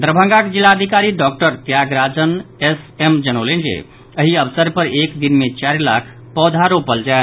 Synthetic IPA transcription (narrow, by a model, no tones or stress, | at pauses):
d̪ɾəbʱə̃ŋɡakd͡ʒilːaəd̪ʱikaɾiɖɔk̚ʈəɾt̪jaɡɾad͡ʒənesemd͡ʒənowlend͡ʒḛ | əɦiəbəsəɾpəɾekd̪inmet͡ʃaɾla̰kʰ | pɔd̪ʱaɾopəld͡ʒaet̪